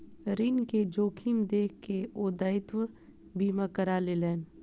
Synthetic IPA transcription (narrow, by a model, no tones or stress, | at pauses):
ɾinked͡ʒoːkʰimd̪eːkkeoːd̪aːɪt̪ʋə | biːmakəɾaːleːlɛːn